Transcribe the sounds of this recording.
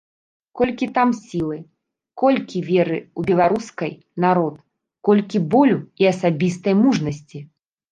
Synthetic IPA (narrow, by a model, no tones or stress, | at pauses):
kɔlʲkʲit̪amsʲilˠɨ | kɔlʲkʲivʲɛɾɨubʲɛlˠaɾuskɐj | naɾɔt̪̚ | kɔlʲkʲibɔlʲuiɐsabʲist̪ɐjmuʐnɐsʲt͡sʲi